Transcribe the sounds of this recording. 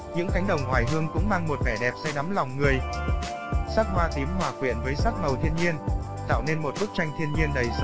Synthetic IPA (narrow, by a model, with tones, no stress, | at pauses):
ɲɨ̰˧˥ŋk̪ʰa˨˦jŋ̟ɗə˨˩wŋ͡mŋwaː˨˩jɦɨ˧əŋkʊ̰˧˥ŋ͡mmaː˧ŋmo˨˩t̚vɛ˧˩ɗɛ˨˩p̚sa˧jɗa˨˦mla˨˩wŋ͡mŋɨ˨˩əj | saː˦˥t̚hwaː˧t̪i˨˦əmhwaː˨˩kwi˧˩ənvəː˨˦jsa˦˥t̚mə˨˩wt̪ʰi˧ənɲi˧ən | t̪a̰ː˧˨wne˧nmo˨˩t̚ɓɨ˦˥k̚t͡ɕa˧jŋ̟t̪ʰi˧ənɲi˧ənɗə˨˩js